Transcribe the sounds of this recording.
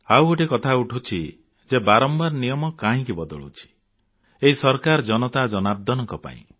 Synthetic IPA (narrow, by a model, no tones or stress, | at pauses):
awɡoʈikɔt̪ʰauʈʰut͡ʃʰi | d͡ʒebaɾɔmbaɾɔnijɔmɔkaɦĩkibɔd̪ɔɭṵt͡ʃʰi̥ | eɦisɔɾkaɾɔd͡ʒɔnɔt̪ad͡ʒɔnab̚d̪ʱɔnɔŋkɔpa̰ḭ̃